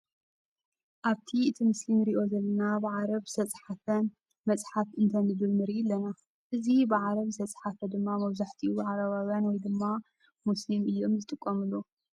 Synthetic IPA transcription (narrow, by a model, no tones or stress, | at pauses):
ʔaβt̪ʰiɨt̪ʰimɨslimɾiʔo̞zɐlːɐnabɨʕaɾɐβzɨt̪ʰɐt͡sʼħafɐn | mɐt͡sʼħafʔɨnt̪ʰɐnɨdɨlmɨɾijɪlːɐna | ʔɨzibɨʕaɾɐβzɨt̪ʰɐt͡sʼħafɐd̪ɨmːamɐβzaħt̪ʰibaʕaɾɐβawjanwɔjd̪ɨmːa | muslimɨjːo̞mzɨt̪ʼɨkʼːɐmɨlːo